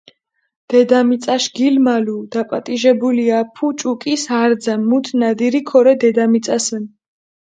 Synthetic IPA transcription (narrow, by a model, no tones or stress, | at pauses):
d̪̥ɛd̪amit̪sʼaʃɡilmalud̪̥apʼat̪ʼiʒɛbuliapʰut͡ʃʼukʼisaɾd̪zamut̪ʰnad̪iɾikʰɔɾɛd̪ɛd̪amit̪sʼasɛn